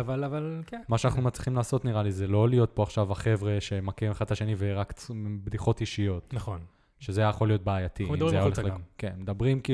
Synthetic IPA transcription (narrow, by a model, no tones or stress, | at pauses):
avalavalkemaʃeananumatt͡sli̥χimlaːso̞t̪niʁalizelo̞lijo̞t̪̚po̞aχʃavaχe̞vʁeʃe̞makemeχad̪aʃe̞niveʁakt͡sbd̪iχo̞tiʃijo̞t̪naχon | ʃezeajajaχo̞lijo̞t̚beajatieimeajaoleleɡkenmed̪abʁimki